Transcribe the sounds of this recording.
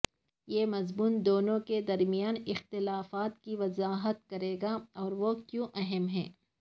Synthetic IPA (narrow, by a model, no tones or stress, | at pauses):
jeːmɐzmuːnd̪oːnõked̪ɐɾmijaːnɪxt̪ɪlaːfaːt̪kiʋɐzaːɦət̪̚kɐɾeːɡaɔːɾʋokjõːʔɐɦɛmɦɛ̰̃ː